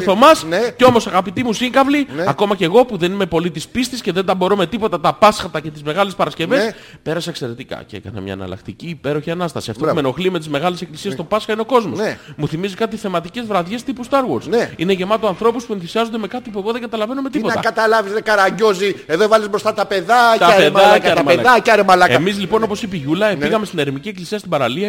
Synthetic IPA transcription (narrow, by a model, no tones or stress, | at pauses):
θomɐsceo̞mosɐɣɐpit̪imusiŋɡɐvliɐko̞mɐce̞ɣo̞puðe̞nime̞po̞lit̪ispist̪isce̞ðe̞nd̪ɐbo̞ɾome̞t̪ipo̞t̪ɐt̪ɐpɐsxɐt̪ɐce̞t̪izme̞ɣɐlespɐɾɐsce̞ve̞s | pe̞ɾɐsɐekse̞ɾet̪ikɐ̰ceḛkɐ̰nɐ̰mɲɐ̰nɐ̰lɐ̰kt̪iciːpe̞ɾo̞çiɐnɐst̪ɐ̰siɐ̰ft̪oumeno̞xlime̞t̪izme̞ɣɐlese̞klisiest̪o̞pɐsxɐine̞o̞ko̞zmo̞smuθimizikɐt̪̬iθe̞mɐt̪ice̞zvɾɐðjʝe̞st̪ipust̪ɐɾɣoɾsnineʝe̞mɐt̪oɐnθɾo̞puspuenθisiɐzond̪eme̞kɐt̪ip̬ueɣo̞ðeŋɡɐt̪ɐlɐve̞nume̞t̪ipoɐkɐt̪ɐlɐvizðekɐɾɐɲɟo̞zieðovɐlizbɾost̪ɐt̪ɐpeðɐt̪eðaɐmeɐɐɾemɐlɐeɐmizlipo̞no̞po̞sipiʝulɐepiɣɐme̞st̪ineɾmicieklisiɐst̪ibɐɾɐliɐ